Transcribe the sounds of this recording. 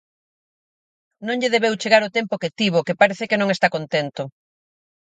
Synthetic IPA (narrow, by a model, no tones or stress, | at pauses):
nõŋʎeðeβewt͡ʃeɣaɾot̪empoket̪iβ̞okepaɾeθekenõŋest̪akont̪ent̪o